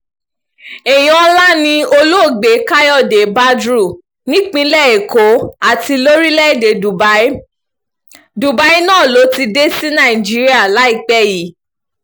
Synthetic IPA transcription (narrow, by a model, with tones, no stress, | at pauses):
e˨j̃ɔ̃˨ɔ˧la˦nĩ˧o˧lo˦o˦˨ɡ͡be˨˦ka˦jɔ˦˨de˨˦ba˦dɾu˦˨ | nĩ˦k͡pĩ˧lɛ˦˨e˨ko˨˦a˦˨ti˧lo˦ɾi˦lɛ˦˨de˨du˨b | du˨ba˨˦i˦nãː˦˨lo˨˦ti˧de˦sĩ˦nã˦˨ĩ˨d͡ʒi˦ɾi˦a˦˨la˨˦i˦˨k͡pɛ˦ji˨˦